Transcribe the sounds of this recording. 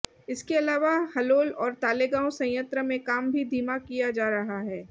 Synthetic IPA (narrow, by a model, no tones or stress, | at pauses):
ɪskeɐlaːʋahɐloːlɔːɾt̪aːleɡãːʊ̃sɐ̃j̃ə̃nt̪ɾəmẽkaːmbʱid̪ʱiːmakijad͡ʒaːɾɐɦaɦɛː